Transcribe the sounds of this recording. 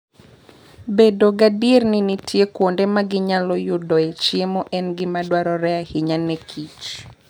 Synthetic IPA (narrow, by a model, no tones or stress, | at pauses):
bedoɡadirninitʰjekwondemaɡɪɲalɔjʊdɔet͡ʃjemɔʔɛnɡɪmadwaɾɔɾɛahɪɲanekʰit͡ʃ